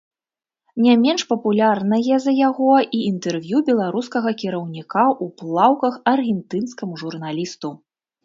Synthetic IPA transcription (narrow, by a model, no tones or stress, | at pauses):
nʲamʲɛnʂpɐpulʲarnɐjɛzɐjaɣɔʔiint̪ɛrvʲjubʲɛlˠaɾuskɐɣɐkʲiɾɐwnʲikaʔuplˠawkɐxɐrɣʲɛnt̪ɨnskɐmuʐurnalʲist̪u